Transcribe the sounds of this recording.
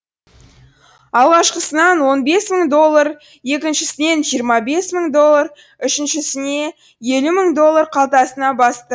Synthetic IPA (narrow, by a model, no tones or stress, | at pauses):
ɑlˠʁɑʃqəsənɑnwo̞nbe̞sməɴd̪o̞lˠːəɾ | je̞kʲɪnʃɪsɪne̞nʒijəɾmɑbe̞sməɴd̪o̞lˠːaɾ | ʏʃɪnʃɪsɪne̞ | je̞luməɴd̪o̞lˠːaɾqʰɑlˠt̪ɑsənɑbɑst̪ə